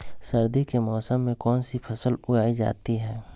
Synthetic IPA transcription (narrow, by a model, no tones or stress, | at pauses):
sɐɾd̪ikemɔːsəmːẽkɔːnsipʰɐsəlʊjaːid͡ʒa̰ːt̪iɦɛː